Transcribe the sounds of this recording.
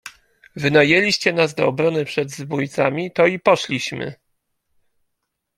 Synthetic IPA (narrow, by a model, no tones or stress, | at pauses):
vɘnajɛlʲiɕt͡ɕɛnazd̪ɔ̰ɔbɾɔnɘpʂɛd̪zbujt̪samʲit̪ɔipɔʂlʲiɕmɘ̰